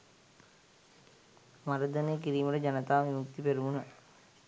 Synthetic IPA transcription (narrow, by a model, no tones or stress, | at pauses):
maɾəd̪əneːkiɾiːməʈəd͡ʒanət̪aːʋimuk̚t̪ipeɾumunə